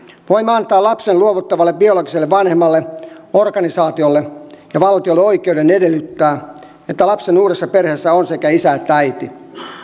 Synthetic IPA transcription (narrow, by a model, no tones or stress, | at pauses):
ʋoimːeɑnt̪ɑːlɑpsenluoʋut̪ːɑʋɑlːebbioloɡiselːeʋʋɑnhemːɑlːeorkɑnisɑːt̪iolːejɑʋɑlt̪iolːeoikˑeudenedelːyt̪ːæː | et̪ːælɑpsenuːɾesːɑperhesːæonsekæisæet̪ːææit̪i